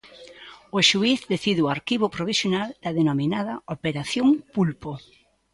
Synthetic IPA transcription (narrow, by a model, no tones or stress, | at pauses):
oʃuiθðeθiðeuaɾkiβopɾoβisjonald̪ɐðenominaðɐopeɾaθjoŋpulpo